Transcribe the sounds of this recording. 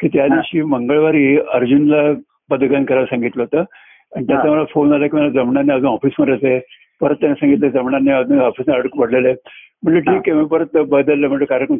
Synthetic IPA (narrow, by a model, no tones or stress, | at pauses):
kiːt̪jad̪iʋɕiːməŋɡəɭʋaɾiːəɾd͡ʑunla | bəd̪ʱɡankəɾaɾsãŋɡit̪ləɦot̪əː | anit̪jat͡sam̤əlafond͡zalakiːm̤alad͡zəmɳanːiad͡zuːnɔfiːsmə̃ɳɖat͡se | pəɾət̪ːjanasãŋɡit̪ləd͡zəmɳanːiad͡zuːnɔfiːsniaɽkpəɽlele | m̤əɳləɾʈʰiːkemiːpəɾət̪ːəbəd̪əlːəːm̤əɳləkaɾəkən